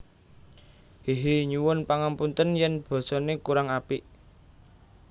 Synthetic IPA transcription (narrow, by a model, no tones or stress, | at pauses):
heɦeɲuwʊnpaŋampunt̪ənjɛnb̥ɔ̤sɔnekuɾaŋapiʔ